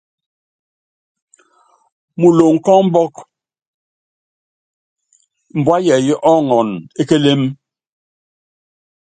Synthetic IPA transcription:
mu˨lo˨ŋ̩˨kɔ˦m̩˦bɔ˦k | m̩˨bwa˦jɛ˨ji˦ʔɔ˦ŋɔ˨ne˦ke˦le˦m

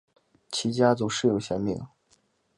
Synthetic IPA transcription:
t͡ɕʰi˧˥t͡ɕja˥t͡so˧˥ʊʂɻ̩˥˩jo˨˩ʊɕjɛ˧˥nmḭ˨˩ŋ

